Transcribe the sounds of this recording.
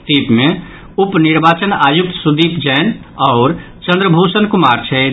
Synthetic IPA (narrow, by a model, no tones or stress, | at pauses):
t̪ipme | upniɾbaːt͡ʃənajuk̚t̪sud̪iːpd͡ʒɛːn | ɔʊɾ | t͡ʃə̃nd̪ɾəbʱusənkumaɾt͡ʃʰɛ